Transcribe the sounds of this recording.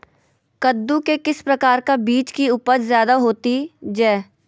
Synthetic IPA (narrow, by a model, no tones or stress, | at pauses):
kəd̪ːukekɪspɾɐkaːɾkabiːt͡ʃkiʊpəd͡ʒzjaːd̪aɦoːt̪id͡ʒɛː